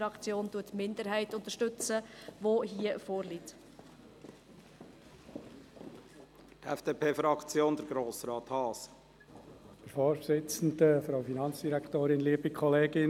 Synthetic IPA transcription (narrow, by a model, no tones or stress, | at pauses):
ɾɑkt͡sjoːntuətmɪnd̪əɾɦɛɪtʊnt̪əɾʃtɵt͡səʋoɦiəfoːɾlit | tɛfd̥eːpʰeːfɾɑkt͡sjoːnd̪əɾɡɾoːsɾɑːt̪hɑːs | d̥əɾfɔːɾsɪt͡sn̩dəfɾɑwfinɑnt͡sd̥iɾæktoːɾɪnliəbikʰχɔleːɡɪ